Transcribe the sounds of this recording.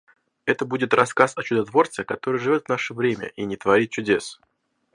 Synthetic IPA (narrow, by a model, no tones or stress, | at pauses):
ɛt̪əbudʲɪt̪rɐskasɐt͡ɕʊd̪ɐt̪vo̞rt̪sɪkɐt̪o̞ɾɨjʐɨvʲo̞t̪vnaʂəvɾʲemʲə̰ʔinʲɪt̪vɐɾʲit̪̚t͡ɕʊdʲe̞s